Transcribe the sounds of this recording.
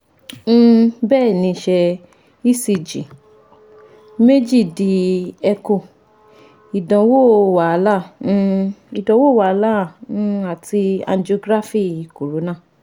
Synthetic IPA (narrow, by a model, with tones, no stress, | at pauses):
bɛː˦˨nĩ˨˧ʃɛ˧ | i˦si˧˨d͡ʒḭ˨ | me˦d͡ʒi˦˨di˧˦ɛ˧ko˧˨ | i˨dɔ̃˨wo˦˨wa˨˧˦lã˦˨˦ | i˨dɔ̃˨˦wo˦˨wa˨˧˦lã˦˨˦a˨ti˧a̰˧n˦d͡ʒo˧ɡɾa˦fi˦˨i˨ko˨ɾo˨˦nã˦˨